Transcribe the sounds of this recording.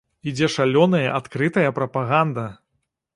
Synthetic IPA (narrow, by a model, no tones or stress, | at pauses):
id͡zʲɛʂalʲɔnɐjɐ̰ʔat̪kɾɨt̪ɐjɐpɾɐpaɣand̪ɐ